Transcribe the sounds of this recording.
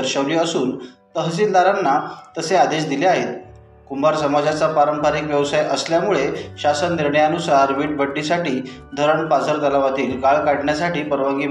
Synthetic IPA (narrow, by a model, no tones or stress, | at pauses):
əɾɕəʋliːəsuːnt̪əɦt͡siːld̪aɾanːat̪əsead̪eɕ̬d̪ileaɦet̪̚ | kumbaɾsəmad͡zat͡sapaɾəmpʰaɾiːkʋjəʋsajəsljamuɭeɕasənːiɾɳəjanusaɾʋiːʈ̚bʱəʈːisaʈiː | d̪ʱəɾəɳpad͡zʱəɾt̪əlaʋat̪iːlɡaɭkaɽɳjasaʈiːpəɾʋaŋɡiː